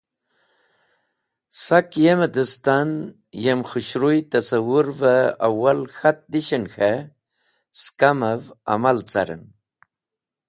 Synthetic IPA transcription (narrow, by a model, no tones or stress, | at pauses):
sakjemed̪əst̪an | jemxuɕɾujt̪asawuɾvəawalxat̪̚d̪iɕənxe | skamava̰malt͡saɾə̰n